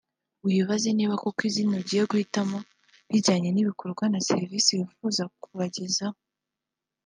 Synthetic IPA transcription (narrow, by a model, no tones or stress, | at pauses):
jiβaze̞niβako̞kwizinoɟijeɡuhitamo̞ | βiɟaɲe̞niβiko̞ɾɡwanase̞ɾvisiβifuːzakuβaɟe̞zao